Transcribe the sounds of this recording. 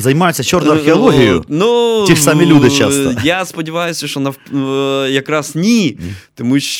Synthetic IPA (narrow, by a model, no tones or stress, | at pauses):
zɐjmajʊtʲːɐt͡ʃornʊjɐrxʲɪɐlˠɔɦʲijʊ̰nuiamʲilʲud̪ɪt͡ʃast̪ɐjaspɐdʲɪʋajʊsʲɐʃtɔnɐf | jɐkɾasnʲit̪ɔmuɕ